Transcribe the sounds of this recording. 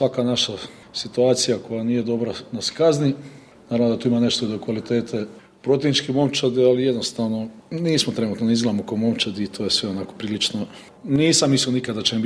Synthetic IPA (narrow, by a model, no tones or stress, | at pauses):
sʋakanaʃa | sit̪uaːt̪sijako̞janiːjed̪o̞bɾanaskazni | naɾaʋnod̪at̪uːimane̞ʃt̪oid̪okʋalit̪e̞ːt̪ʰe | pɾot̪jenit͡ʃkimo̞mt͡ʃad̪ialijed̪no̞st̪aʋnoniːsmot̪ɾe̞nuːt̪nonizɡlˠamokamo̞mt͡ʃad̪iːt̪ʰojesʋeonako̥pɾiːlit͡ʃno | niːsamːislionikad̪at͡ɕem